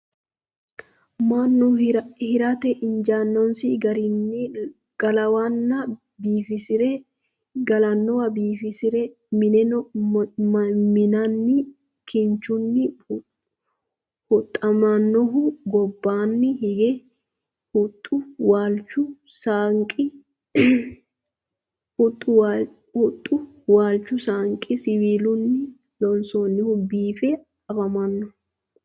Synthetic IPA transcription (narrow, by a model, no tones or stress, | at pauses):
manːʊhɪɾɐt̪ɛʔɪnd͡ʒaːnːɔnsiɡɐɾɪn | ɡ̥ɐlɐwanːɐ | biːfɪsɪɾɛ | ɡɐlɐnːɔɐbiːfɪsɪɾɛ | mɪnɛ | mɪnɐnːɪ | kʰɪnt͡ʃʊnːɪ | hʊt̪ʼːɐmɐnːɔɦʊɡɔbːaːnːɪhɪɡɛ | hʊt̪ʼːʊwaːlt͡ʃːʊsaŋkʼɪ | hʊt̪ʼːʊwa | hʊt̪ʼːʊ | waːlt͡ʃːʊsaːŋkʼɪsɪwiːlʊnːɪ | lɔnsoːnːɪhʊbiːfɛ | ɐbɐmɐnːɔ